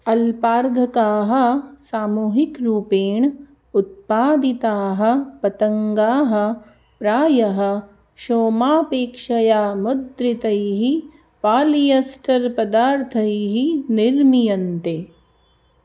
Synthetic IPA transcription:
ɐlpaːɾɡʱɐkaːɦɐ̆saːmuːɦikɾuːpeːɳ | ut̪̚paːd̪it̪aːɦɐ̆pɐt̪ɐŋɡaːɦɐ̆ | pɾaːjɐɦɐ̆ | ʃoːmaːpeːkʃɐjaːmʊd̪ɾit̪ɐjɦi | paːlijɐsʈʰɐɾpɐd̪aːɾt̪ʰɐjiɦiniɾmijɐnt̪e

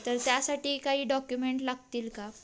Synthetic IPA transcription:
t̪əɾt̪jasaʈiːkaɦiːɖɔkjumeɳʈlaɡ̚t̪iːlka

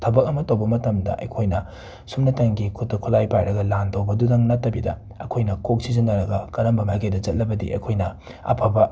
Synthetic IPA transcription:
tʰɐbɐk̚ɐmɐtɐwbɐmɐtɐmdɐ̰ʔɐ̰jkʰojnɐ | sumnɐtɐŋɡikʰutːɐkʰulajpajɾɐɡɐlandɐwbɐdudɐŋnɐtːɐbidɐ̰ | ɐ̰kʰojnɐkok̚sizɐnːɐɾɐɡɐkɐɾɐmbɐmaɡejdɐd͡ʒɐt̚lɐbɐdḭʔɐ̰jkʰojnɐ | ɐ̰pʰɐbɐ

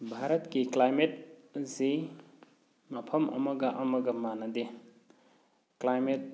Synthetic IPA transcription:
bʱaɾɐtkiklajmet̚zi | mɐpʰɐmʔɐ̰mɐɡɐʔɐmɐɡɐmanɐde | klajmet̚

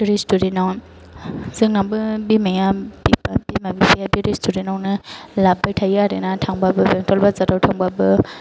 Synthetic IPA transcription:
ɾistudenaw | zɯŋnambɯbimajabipab̥imabipejabiɾistudenawnɯlabatʰajjaɾɯnatʰaŋbabɯbeŋtʰɔlbazatawtʰaŋbabɯ

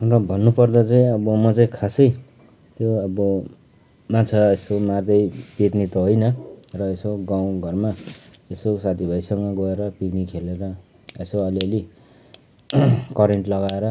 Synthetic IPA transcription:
rʌbʱʌnːupʌrd̪ʌt͡saĩʌbʌmʌt͡saĩkʰasʌj | t̪joʌbʌ | mat͡sʰaesomard̪ʌjpet̪nit̪oɦojnʌrʌesoɡaw̃ɡʱʌrmaesosat̪ʰibʱʌjsʌŋɡʌɡʌeɾʌpiɾnikʰeleɾʌ | esoʌliʌli | kʌɾeɳʈlʌɡaeɾʌ

